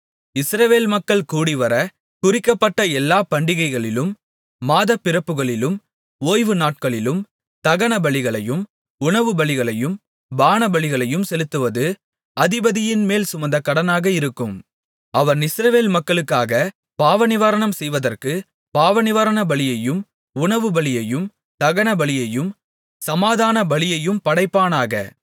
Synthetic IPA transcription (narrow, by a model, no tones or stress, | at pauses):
ɪsɾɐʋeːlmɐkːɐɭkuːɽɪʋɐɾɐ | kʊɾɪkːɐpːɐʈːɐɛlːaːpɐɳɖɪɣɐɪɣɐɭɪlɯmː | aːðɐpːɪɾɐpːɯɣɐɭɪlɯm | oːjʋɯnaːʈ̚kɐɭɪlɯm | t̪ɐɣɐnɐbɐɭɪɣɐɭɐjɯm | ʊɳɐʋɯbɐɭɪɣɐɭɐjɯm | baːnɐbɐɭɪɣɐɭɐjɯmsɛlɯt̪ːɯʋɐðɯ | ʔɐðɪbɐðɪjɪnmeːlsʊmɐnd̪ɐkːɐɽɐnaːɣɐɪɾɯkːɯm | ɐʋɐnɪsɾɐʋeːlmɐkːɐɭɯkːaːɣɐ | paːʋɐnɪʋaːɾɐɳɐmsɛjʋɐðɐrkɯ | paːʋɐnɪʋɐɾɐnɐbɐɭɪjɐjɯm | ʊɳɐʋɯbɐɭɪjɐjɯm | t̪ɐɣɐnɐbɐɭɪjɐjɯm | sɐmaːðaːnɐbɐɭɪjɐjɯmpɐɽɐɪpːaːnaːɣɐ̰